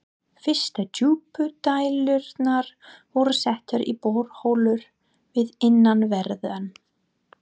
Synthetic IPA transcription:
fɪ̥st̪atuːpʏt̪aːjlʏɾt̪naɾ̥vɔɾʏsɛht̪ʏɾḭpoːɾhoːwlʏɾ̥ | vɪðɪnːanvɛɾðan

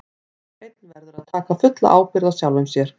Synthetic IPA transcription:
ejt̪̚nvɛɾðʏɾaðt̪ʰaːkafʏt̪la̰ʔaːwpɪɾðasjaːwlʏmsjɛɾ̥

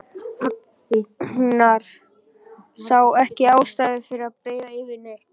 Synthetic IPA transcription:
naɾ̥ | saːwɛhcɪaːwst̪aːjðɪfɪɾɪðaðpɾeːjðaɪvɪnejh̪

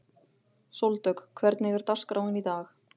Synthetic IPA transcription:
sowlt̪œkkʰvɛɾt̪nɛːɣɪɾt̪askɾawɪnit̪aːx

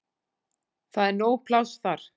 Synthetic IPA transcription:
θaðɛɾnoːwpʰlawsθaɾ̥

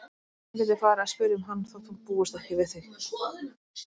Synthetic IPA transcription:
lɪɾɪfaːɾaspʏɾɪʏmɦanːθawt̪ʰupuːɣʏst̪ahcɪvɪθeɾ

